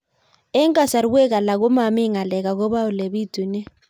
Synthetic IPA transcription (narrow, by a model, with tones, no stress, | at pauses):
ɛ˦ŋkʼa˦˨sa˨ɾi˦ɓɛ˦k̬a˨la˨k̬ɔ˦ma˨mi˦ŋa˨lɛ˨k̬ak̬ɔ˦ɓa˦u˨le˨ɓi˦d̥ʱu˨nɛ˦